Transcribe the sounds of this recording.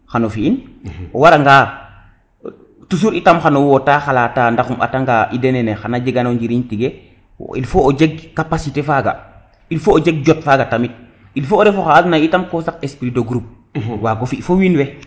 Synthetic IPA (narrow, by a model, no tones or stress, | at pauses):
xanofiinowaɾaŋɡa | tus̬uɾitamxanowotaːxalataːndaxuma̰taŋɡaʔidenenexanad͡ʒeɡanoɲd͡ʒiɾiɲtiɡḛ | ḭlfoːd͡ʒeɡ̚kapasitefaɡa̰ | ilfoːd͡ʒeɡ̚ɟɔtfaɡatamit̚ | ilfoːɾefoxaːtnaitamkosakespɾidoɡɾup̚ | waɡofiifowinwe